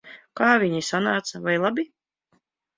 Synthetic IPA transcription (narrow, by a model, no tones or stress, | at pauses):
kaːvʲiɲisanaːt̪savajlˠabʲi